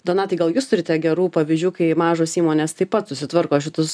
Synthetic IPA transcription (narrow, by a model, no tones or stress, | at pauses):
d̪oːnɑːt̪ʲɐɪɡɐlˠjuːst̪ʊɾʲɪt̪ʲɛɡʲɛɾuːpɐʋʲiːzʲd͡ʒʲuːkɐɪmɑːʒoːsiːmoːnʲeːst̪ɐɪpɐt̪sʊsʲɪt̪ʋɐɾkoːʃ̬ʲɪt̪ʊs